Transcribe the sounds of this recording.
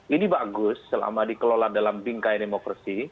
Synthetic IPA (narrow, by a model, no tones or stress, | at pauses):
idibaɡʊsːəla̰madikəloladalambiŋkajdemokɾasi